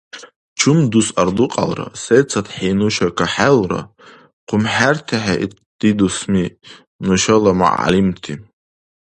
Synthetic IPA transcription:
t͡ʃʰumd̪usard̪uqʼa̰lra̰set͡sʰat̪ħinuʃakʰaħalra̰ | qʷʰʊmħart̪ʰaħaʔi | d̪̥id̪usmi | nuʃalama̰ʕa̰limt̪ʰi

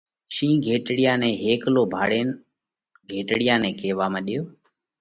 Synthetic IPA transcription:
ʃĩːɡʱeːʈɽɪjãːnẽːɦeːkloːbʱa̰ːɽeːn | ɡʱeːʈɽɪjãːnɛ̃ːkeːʋaːmə̃ːɗɪjoː

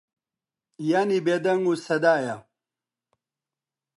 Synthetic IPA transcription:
janibed̪ɐŋusɐd̪aːja

